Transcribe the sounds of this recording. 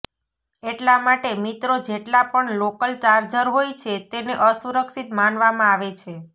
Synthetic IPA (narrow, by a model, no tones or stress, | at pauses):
eʈlamaʈemit̪ɾod͡ʒeʈlapəɳlokəlt͡ʃaɾd͡ʒəɾɦojt͡ʃʰet̪eneʔəsuɾəkʃit̪manʋamãaʋet͡ʃʰe